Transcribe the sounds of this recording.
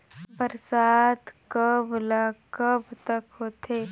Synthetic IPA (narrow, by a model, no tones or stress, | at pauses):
bəɾsaːt̪kəblaːkəbt̪əkɦoːt̪ʰeː